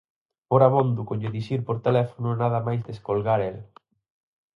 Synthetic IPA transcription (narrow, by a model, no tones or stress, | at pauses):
oɾamõnd̪ukoɲeðiʃiɾpoɾt̪elɛfonʊnaðɐmajzd̪eskolɣaɾel